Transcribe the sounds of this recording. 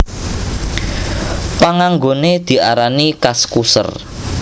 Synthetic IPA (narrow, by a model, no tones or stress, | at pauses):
paŋaŋɡoned̪̥i̤ʔaɾanikaskusə̰r